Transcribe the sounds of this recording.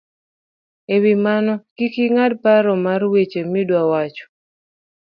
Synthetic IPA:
ewimanɔkikiŋadpaɾɔmarwet͡ʃemidwawat͡ʃɔ̥

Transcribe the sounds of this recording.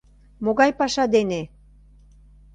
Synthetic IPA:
moɣɑjpɑʃɑd̪ene

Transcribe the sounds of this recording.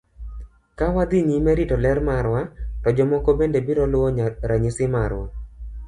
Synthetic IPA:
kawad̪iɲimɛɾitɔlɛɾmaɾwatɔd͡ʒɔmɔkɔbendebiɾɔlʊwɔɲaɾaɲɪsɪmaɾwa̰

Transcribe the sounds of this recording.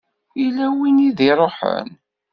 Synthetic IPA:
ilæwiniðiɾˤoħə̰n

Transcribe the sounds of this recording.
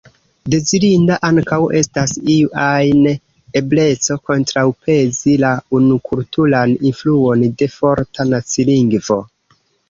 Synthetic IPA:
de̞zilindaʔaŋkawe̞stasiajn | e̞ble̞t͡so̞ko̞ntɾawpe̞zilaunukʰultulaninfluo̞nde̞fo̞ɾtanat͡siliŋɡvo̞

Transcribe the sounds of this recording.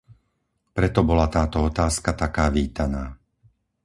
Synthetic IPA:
pɾɛt̪ɔbɔlat̪aːt̪ɔɔt̪aːskat̪akaːʋiːt̪anaː

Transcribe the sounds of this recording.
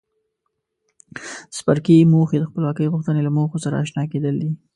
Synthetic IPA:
spaɾkimoxed̪əxpəlwɑkəjɣʊxt̪ənelamoxosaɾa̰ːʃnɑked̪əld̪i

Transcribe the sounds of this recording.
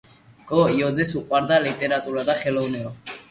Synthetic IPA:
kʼɔjɔd͡zɛsuqʼwaɾd̪alit̪ʼeɾat̪ʼuɾad̪aχɛlɔwnɛɔ

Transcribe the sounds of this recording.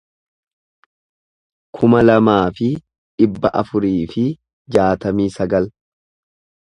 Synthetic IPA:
kʰʊmɐlɐmaːfɪ | ᶑɪbːɐʔɐfʊɾiːfɪ | d͡ʒaːt̪ɐmiːsɐɡɐl

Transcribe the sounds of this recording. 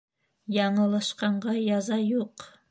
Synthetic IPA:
jɑɴə̆lˠɑʃqɑɴɢɑjɑzɑjuq

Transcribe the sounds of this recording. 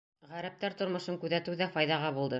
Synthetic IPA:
ʁæɾæp̚t̪æɾt̪ŏɾmŏʃɤŋkʉðæt̪ɘwðæfɑjðɑʁɑbulˠd̪ɤ

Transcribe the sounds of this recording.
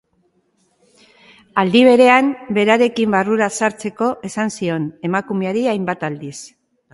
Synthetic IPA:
ald̪iβ̞e̞ɾe̞ambe̞ɾaɾe̞kimbaruɾasaɾt͡se̞ko̞ʔe̞sansio̞ne̞makume̞aɾiajmbat̪ald̪is

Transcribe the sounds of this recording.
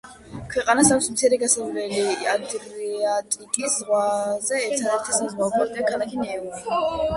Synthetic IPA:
kʰwɛqʼanasaksmt̪sʰɛɾɛɡasɛvɾɛliad̪ɾiat̪ʼikʼisʁwazɛːɾt̪ʰɛɾɛɾt̪ʰisazʁakʰʼɔɾd̪akʰalakʰinɛːɔ

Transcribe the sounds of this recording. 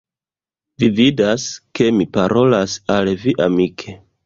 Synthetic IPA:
vividaske̞mipaɾo̞lasalviʔamikʰe̞

